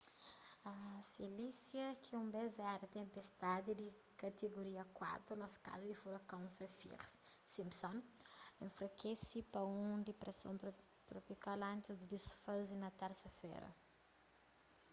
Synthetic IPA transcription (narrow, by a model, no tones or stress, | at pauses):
ɐfelisjɐkʰiũmbezɛɾɐt̪ẽmpest̪ad̪id̪i | kɐt̪eɡoɾiɐkwa̰t̪ɾunɐska̰lɐd̪ifuɾɐkõnsɐfḭɾssĩmpsɔ̃nẽfɾɐkesipɐũd̪ipɾesõ̰n | t̪ɾopikalɐ̃nt̪izd̪id̪isfɐzinɐt̪ɛɾsɐfɛ̰ɾɐ̰